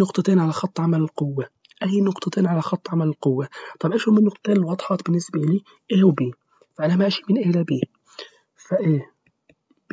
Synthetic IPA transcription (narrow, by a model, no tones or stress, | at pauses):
nʊqt̪ˤɑt̪eːnʕalaxɑt̪ˤːʕamalɪlqʊwːa | ʔajːnʊqt̪ˤɑt̪eːnʕalaxɑt̪ˤːʕamalɪlqʊwːat̪ˤɑbʔaːʃʊmɪnːʊqt̪ɑ̥t̪ˤeːnlwɑd̪ˤħɑːt̪bɪnːɪsbaʔɪliː | ʔeːhwbiː | faʔanamaʔaʃi̥mɪnʔeːlabiː | faʔeː